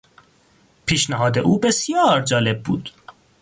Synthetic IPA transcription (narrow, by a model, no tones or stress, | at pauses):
pʰiːʃnæɦɒːd̪e̞̰ʔuːbe̞sjɒːɾd͡ʒɒːle̞b̚bṵːd̪̥